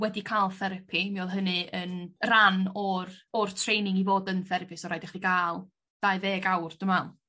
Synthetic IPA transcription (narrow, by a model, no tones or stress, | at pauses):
wɛdikʰaːlˠθɛɾəpʰimiɔðˠɦənɨənranɔrɔrtʰrejnɪŋivoːdənθɛɾəpʰɪsɔɾajdɛχikʰaːlˠ | d̥aɨveːɡawrd̥əmalˠ